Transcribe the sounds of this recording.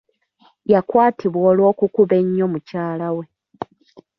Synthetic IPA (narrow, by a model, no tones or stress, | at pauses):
jakwaːtʰiβwoːlwo̞ːkukuβe̞ɲːo̞mucaːlawe̞